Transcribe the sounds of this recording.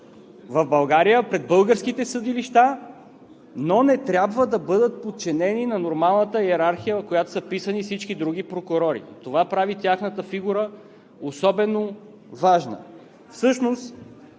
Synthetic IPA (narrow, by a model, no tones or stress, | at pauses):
vɐvbɐlˠɡaɾijəpɾɛd̪̚bɤlˠɡəɾskit̪ɛsəd̪iliʃt̪a | nonɛt̪ɾʲabvəd̪ɐbɤd̪ət̪̚pot̪̚t͡ʃɛnɛninɐnoɾmalˠnət̪əɛɾaɾxijəkojat̪o̥səpisənifsit͡ʃkid̪ɾuɡ̟ipɾokʊɾɔɾḭt̪ovapɾavit̪ʲjaxnət̪əfiɡuɾə | osɔbɛno | vaʒnə̰ | fsɤʃnost̪